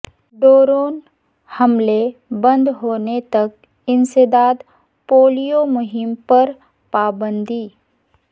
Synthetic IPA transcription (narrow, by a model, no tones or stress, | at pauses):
ɖoːɾoːn | hɐmlebə̃nd̪ɦoːnet̪ɐk̚ | ɪnsed̪aːd̪ | poːlijomʊɦɪmpɐɾ | paːbə̃nd̪ʱiː